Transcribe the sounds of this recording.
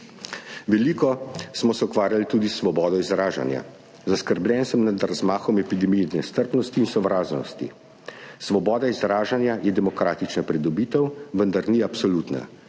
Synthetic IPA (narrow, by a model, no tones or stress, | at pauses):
ʋɛliːkɔsmɔsɛukʋaːɾjalit̪uːd̪isːʋɔbɔːd̪ɔizɾaːʒa̰nja̰ | zaskəɾblʲjɛnsəmnad̪ɾazmaːxɔmɛpid̪ɛmijɛd̪nɛst̪əɾpnɔst̪iːnsɔʋɾaːznɔ̰st̪ḭ | sʋɔbɔːd̪aizɾaːʒanjajɛd̪ɛmɔkɾaːt̪it͡ʃnapɾid̪ɔbiːt̪əwʋənd̪aɾniapsɔluːt̪na̰